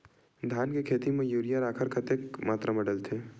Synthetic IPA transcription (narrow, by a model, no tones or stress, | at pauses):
d̪ʱjaːnkekʰeːt̪imẽjuːɾijaɾaːkʰəɾkʰət̪eːkmaːt̪ɾamɐɽəlt̪ʰeː